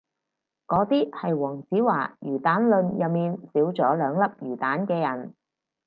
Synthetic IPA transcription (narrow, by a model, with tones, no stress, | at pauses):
kɔː˨˥t̪iː˥hɐ˨jwɔː˨˩ŋsiː˨˥waː˨˩jyː˨˩t̪aː˨˥nlɵ˧njɐ˨miː˨nsiː˨˥wt͡sɔː˨˥lœː˨˧ŋlɐ˥p̚jyː˨˩t̪aː˨˥nkɛː˧jɐ˨˩n